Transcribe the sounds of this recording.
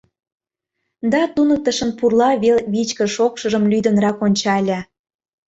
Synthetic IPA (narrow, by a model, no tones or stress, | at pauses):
d̪ɑt̪unək̚t̪ə̆ʃə̆npurlɑβelβit͡ɕkə̆ʃokʃə̆ʒəmlʲyjd̪ə̆nɾɑkonʲt͡ɕɑlʲə